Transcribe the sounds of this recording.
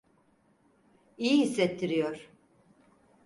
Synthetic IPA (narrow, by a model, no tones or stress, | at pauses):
ijihisːɛt̪ʰːiɾijoɾ̥